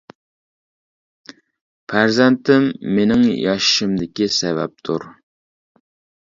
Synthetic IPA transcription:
pʰæɾzɛnt̪ʰɪmːenɪŋjɑʃɪ̥ʃɪmd̪ɪkʲisɛvɛ̰p̚t̪ʰuɾ

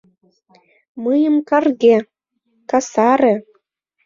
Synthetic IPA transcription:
mɤjə̆mkɑrɣʲe | kɑsɑɾĕ

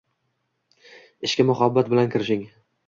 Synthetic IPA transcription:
ɪʃkʲamʊhabːat̪̚bɪlankʲʰɪɾɪʃɪŋ

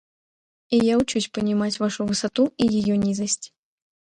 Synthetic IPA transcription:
ijawt͡ʃut͡sʲpɐnʲimat͡sʲvaʂuvɨsat̪uijajɔnʲizɐsʲt͡sʲ

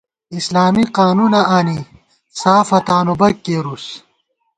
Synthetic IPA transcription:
islaːmiqaːnunɐʔaːni | saːfɐt̪aːnubɐkːeːɾus

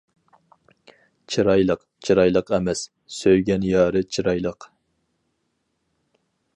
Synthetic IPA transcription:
t͡ʃʰiɾɑjlˠəq | t͡ʃʰiɾɑjlˠəqɛmɛs | søjɡʲɛnjɑːɾɨt͡ʃʰiɾɑjlˠəq

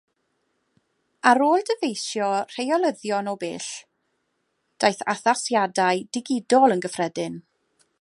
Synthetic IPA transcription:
aɾoːlˠdəvejsjɔr̥ejɔlˠəðjɔnɔbeːɬ | d̥ajθa̰θasjadajdɪɡɪdɔlˠənɡəfrɛdɪn

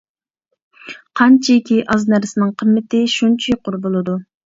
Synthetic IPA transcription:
qʰɑnt͡ʃʰiikʲʰiʔɑznæɾsɪnɨŋqʰəmːɪt̪ɪʃunt͡ʃʰijqʰʊɾbolˠɨd̪u

